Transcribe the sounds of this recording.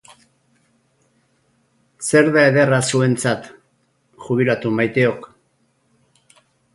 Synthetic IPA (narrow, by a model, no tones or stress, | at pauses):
se̞ɾðae̞ð̞e̞rasue̞nt͡sat̪ | ʝuβ̞ilat̪umajt̪e̞o̞k